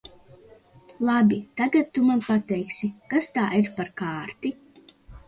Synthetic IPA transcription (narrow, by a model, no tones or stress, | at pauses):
lˠabit̪aɡat̪̚tːumanpat̪ɛjksikast̪aːʔiɾpaɾkaːɾt̪i